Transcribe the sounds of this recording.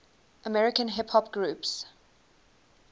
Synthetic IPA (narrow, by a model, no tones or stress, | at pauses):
ʔəmɛɹɪkə̃nɦɪphɔpɡɹuːˑps